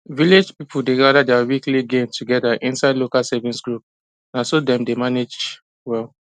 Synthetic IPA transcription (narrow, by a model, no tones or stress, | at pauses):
viled͡ʒpipʰudeɡadadɛawikliɡẽmtʰuɡɛdaʔĩnsaɪdlokalsɛvĩnsɡɹup̚ | nãsodɛ̃mdemaned͡ʒ | wɛl